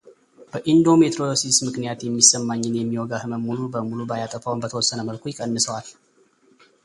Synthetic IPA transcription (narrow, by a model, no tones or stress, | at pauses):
b̥əʔind̪o̞me̞t̪ʰɾojosismɨknijat̪jɛmːisːəmːaɲːɪnjɛmːiwɔɡahɨməmulubəmulubajat̪ʼəfawnbət̪ʰəwɔsːənəməlkʰujɪkʼənːɨsəwal